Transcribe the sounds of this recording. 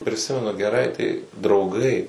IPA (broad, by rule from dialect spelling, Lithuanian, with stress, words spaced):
pʲrʲɪˈsʲɪmʲɛnʊ ɡʲɛˈrɐɪ tɐɪ drɐʊˈɡɐɪ